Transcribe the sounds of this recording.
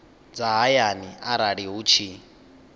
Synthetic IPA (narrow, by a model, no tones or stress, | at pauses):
d͡zaɦajaniaɾaɺiɦut͡ʃʰi